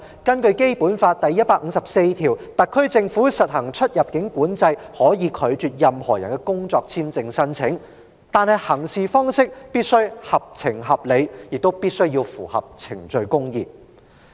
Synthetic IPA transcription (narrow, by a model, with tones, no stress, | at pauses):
kɐ˥nkɵ˧ɥke˥jpuː˨˥nfaː˧t̚t̪ɐ˨jɐ˥t̚paː˧k̚ŋ̩˨˧sɐ˨p̚se˧jt̪ʰiː˨˩wt̪ɐ˨kʰːɵ˥ɥt͡sɪ˧ŋfuː˨˥sɐ˨t̚hɐ˨˩ŋt͡ʃʰɵ˥t̚jɐ˨p̚kɪ˨˥ŋkuː˨˥nt͡sɐ˧jhɔː˨˥jiː˨˧kʰɵ˨˧ɥt͡ʃyː˨t̚jɐ˨mhɔː˨˩jɐ˨˩nkɛ˧kʊ˥ŋt͡sɔː˧k̚t͡sʰiː˥mt͡sɪ˧ŋsɐ˥nt͡sʰɪ˨˥ŋ | t̪aː˨nhɐ˨jhɐ˨˩ŋsiː˨fɔː˥ŋsɪ˥k̚piː˥t̚sɵ˥ɥhɐ˨p̚t͡sʰɪ˨˩ŋɦɐ˨p̚le˨˧jjɪ˨k̚t̪o˥wpiː˥t̚sɵ˥ɥjiː˧wfuː˨˩hɐ̰˨p̚t͡sʰɪ˨˩ŋt͡ʃɵ˧ɥkʊ˥ŋjiː˨p̚